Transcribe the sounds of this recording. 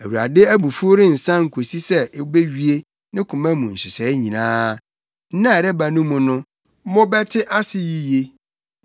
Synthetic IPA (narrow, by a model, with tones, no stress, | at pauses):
æ˨wu˨ɾa̰˨dɪ˦æ˦bu˨fʊ˦ɾɪ̃˦n̩˨sã˦ŋ̩˨kʰo˨si˦sɛ˦˨˦be˦ɥi˦e˦ | nɪ̃˦kʰʊ̃˨mɛ̃˦mũ˨n̩˨sɪ˨sɛ˨˦ɲĩ˨nãː˦ | n̩˦nã˦˨ɾɛ˦ba˨nũ˦mʊ̃˨nʊ̃˦ | mɔ̃˦bɛ˦tʰɪ˦ʔa˦sɪ˦ji˦je˦